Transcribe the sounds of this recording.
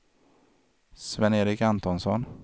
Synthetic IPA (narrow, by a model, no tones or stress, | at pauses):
svɛneːɾɪkant̪ɔnsɔ̰n